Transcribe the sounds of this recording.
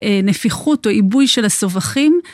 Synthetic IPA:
enefiχutoʔibujʃelaso̞vaχim

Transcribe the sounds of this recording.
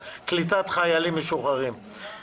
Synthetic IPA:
klit̪at̪χajalimːeʃuχaʁim

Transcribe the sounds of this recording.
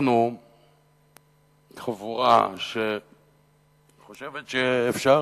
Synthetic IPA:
nu | χavuʁa̰ʃe | χoʃevetʃeːfʃa

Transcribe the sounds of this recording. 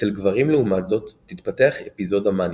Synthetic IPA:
ʃelɡvaʁimleumatzo̞t̪ːit̪pateaχepizo̞daman

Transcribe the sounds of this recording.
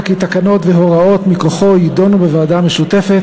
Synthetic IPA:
kit̪akano̞t̪veɦo̞ʁao̞t̪miko̞χo̞jid̪o̞nubevaːdameʃut̪e̞fet̪

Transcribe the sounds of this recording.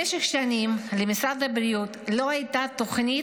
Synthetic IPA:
eʃeχʃanimlemisad̪habɾijut̪lo̞ajt̪at̪o̞χni

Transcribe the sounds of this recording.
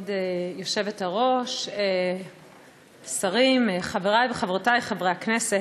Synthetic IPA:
dejo̞ʃe̞vethaʁo̞ʃe | saʁimχaveʁajveχavʁatajχavʁejaknese

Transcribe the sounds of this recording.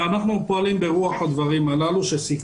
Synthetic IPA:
anaχnupoalimbe̞ʁuaħod̪vaʁimalaluʃesik

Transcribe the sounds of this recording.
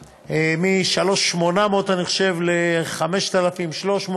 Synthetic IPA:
emiʃalo̞ʃmonamot̪aniχʃe̞vleχame̞ʃt̪alafimʃlo̞ʃmo

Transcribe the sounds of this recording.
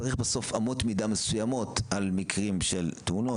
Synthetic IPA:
aʁiχbeso̞famo̞t̪midamesujamo̞tʔalmikʁimʃelt̪uno

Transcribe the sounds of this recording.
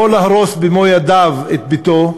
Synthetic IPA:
olahaʁosbemojad̪avet̪̚bit̪o

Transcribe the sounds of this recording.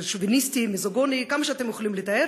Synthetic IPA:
ʃuvinist̪imizoɡonikamaʃeat̪emjoxχolimlet̪ae

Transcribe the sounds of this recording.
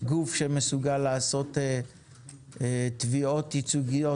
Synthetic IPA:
ɡufʃemesuɡalːaːso̞te | t̪vio̞t̪it͡suɡijo̞

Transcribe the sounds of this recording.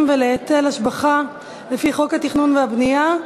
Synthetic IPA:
mveleatelhaʃbaχa | lefiχo̞khat̪iχnunvehabnija

